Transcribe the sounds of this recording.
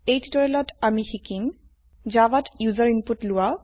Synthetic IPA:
ejti̥tɔɹelɔtamixikim | d͡ʒabatjuzaɹinputlʊwa

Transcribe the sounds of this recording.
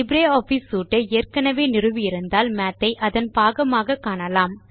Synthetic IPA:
ɪbɾeːoːfisuːʈːɐeːrkɐnɐʋeːnɪrɯʋɪɪɾɯnd̪aːlmaːt̪ːɐɪʔɐðɐnpaːɣɐmaːɣɐkːaːnɐlaːm

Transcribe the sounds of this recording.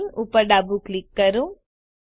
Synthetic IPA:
nupəɾɖabuklɪkːəɾũ

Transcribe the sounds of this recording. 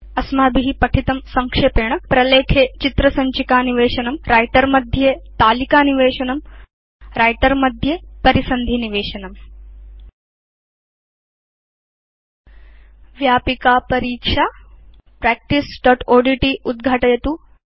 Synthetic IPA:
ɐsmaːbiɦipɐʈʰit̪ɐmsɐŋkʂeːpeːɳɐpɾɐleːkʰeːt͡ʃit̪ɾɐsɐɲt͡ʃikaːniʋeːʃɐnɐmɾaːjʈɐɾmɐd̪ʱjeːt̪aːlikaːniʋeːʃɐnɐm | ɾaːjʈɐɾmɐd̪ʱjepɐɾisɐnd̪ʱiniʋeːʃɐnɐm | ʋjaːpikaːpɐɾiːkʂaː | pɾɛːk̚ʈisɖɔːʈoːɖiʈiud̪ɡʱaʈɐjɐt̪u

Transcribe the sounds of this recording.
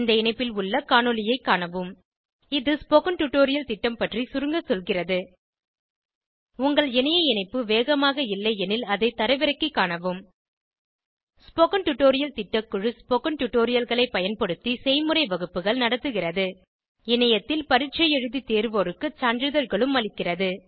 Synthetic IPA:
nd̪ɐɪnɐɪpːɪlʊɭːɐkaːɳɔlɪjɐɪkːaːɳɐʋɯm | ɪðɯspokɐnʈʊʈːoːɾɪjɐlt̪ɪʈːɐmpɐʈrisʊɾɯŋɡɐsɔlɣɪrɐðɯ | ʊŋɡɐɭɛnɐjɐɪnɐɪpːɯʋeːɣɐmaːɣɐɪlːɐɪɛnɪlɐðɐɪt̪ːɐɾɐɪʋɪɾɐkːikːaːɳɐʋɯm | spɔkɐnʈʊʈːoːɾɪjɐlt̪ɪʈːɐkːɯɻɯspɔkɐnʈʊʈːoːɾɪjɐlɣɐɭɐɪpɐjɐnpɐɽɯt̪ːisɛɪjmɯrɐɪʋɐɣɯpːɯɣɐɭnɐɽɐt̪ːɯɣɪrɐðɯ | ɛnɐjɐt̪ːɪlpɐɾɪʈ̚t͡ʃɐjɛɻɯðit̪eːɾʋoːɾɯkːɯt͡ʃaːndrɯðɐɾɣɐɭɯmːɐlɪkːɪrɐðɯ

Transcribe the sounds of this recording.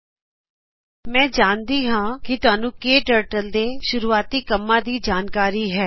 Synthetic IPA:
mɛ̃ːd͡ʒaːnd̪iːɦãːkɪt̪ʊaːnũːkeːʈəːɾʈəld̪eːʃʊɾuːaːt̪iːkəmːãːd̪iːd͡ʒaːnkaːɾiːɦɛː

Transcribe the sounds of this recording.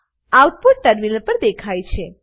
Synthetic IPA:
awʈ̚puɖ̚ʈəɾminəɾpəɾd̪ekʰajt͡ʃʰe

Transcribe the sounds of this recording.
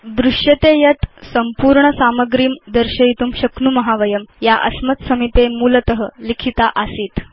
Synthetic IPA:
d̪ɾuʂjət̪ejət̪səmpuːɾɳəsaməɡɾiːmd̪əɾɕəit̪uːmɕəknuməɦaʋəjəmjaʔə̰smət̪səmipemuːlət̪əɦəlikʰit̪aʔəsiːt̪

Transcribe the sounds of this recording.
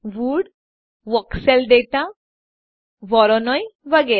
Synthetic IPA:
ʋuɽ | ʋɔksɛld̪et̪ã | ʋɔɾɔnɔjʋəɡɛ

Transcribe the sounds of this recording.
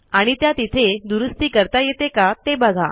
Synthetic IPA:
aɽ̃it̪jat̪it̪ʰed̪uɾəst̪iːkəɾt̪ajet̪ekat̪ebəɡʱa̰

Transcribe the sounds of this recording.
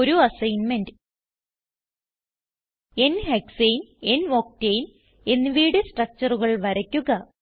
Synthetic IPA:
oɾuɐsɐjnmendɨ | e̞nheksejne̞nʋoːk̚tejn | e̞nːɨʋiːɽɨsʈrɐk̚t͡ɕɐruɣɐɭʋɐɾɐkʲːuɣɐ

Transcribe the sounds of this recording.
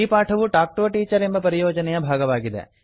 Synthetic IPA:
ipaːʈʰɐʋuʈaːk̚ʈoːʈiːt͡ʃɐɾe̞mbɐpɐɾijɔːd͡ʒɐnɛjɐbʱaːɡɐʋaːɡid̪ḛ

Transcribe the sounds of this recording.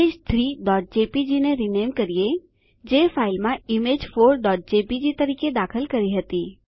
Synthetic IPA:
eːd͡ʒt̪ʰɾiːɖɔːʈ̚d͡ʒeːpid͡ʒineɾineːmkɐɾije | d͡ʒeːfʰaːɪlmãɪmeːd͡ʒfoːɾɖɔːʈ̚d͡ʒeːpid͡ʒit̪ɐɾiːked̪aːkʰəlkɐɾiɦɐt̪iː

